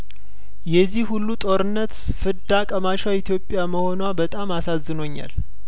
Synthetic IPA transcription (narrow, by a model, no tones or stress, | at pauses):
jɛzːihhulːut̪ʼo̞ɾɨnːət̪ | fɨd̪akʼəmaʃait̪ʰjo̞pʼːjaməho̞nwabət̪ʼamasazːɨno̞ɲːa̰l